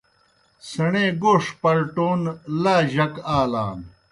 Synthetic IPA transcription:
sɐɳeːɡoːʂpɐɾʈoːnlaːʑɐkaːla̰ːn

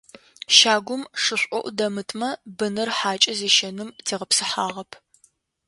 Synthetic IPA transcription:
ʃaːɡʷʊmʂɨɕʷʼɔʔʷʊdɐmɨtʰmɐbɨnɨrħaːt͡ʃʼɐzeːʃɐnɨmtʰeːʁɐpsɨħaːʁɐpʰ

